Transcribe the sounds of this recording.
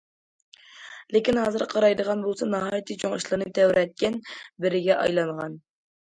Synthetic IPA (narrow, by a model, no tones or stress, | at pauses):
lɪkʲinhɑːzɨɾqʰɑɾɑjd̪əʁɑnbolˠsɑnɑɦɑjt̪ʰɨt͡ʃʰoŋiʃlˠɨnɨt̪ʰɛwɾɛt̪̚kʲɛnbɪɾɪɡʲɛʔɑ̰jlˠɑɴʁɑn